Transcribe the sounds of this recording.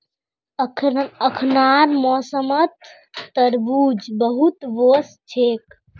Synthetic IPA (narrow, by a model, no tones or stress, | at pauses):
əkʰəkʰnaɾmɔːsəmət̪ː | əɾbuːd͡ʒbəɦut̪ʋos | t͡ʃʰeːk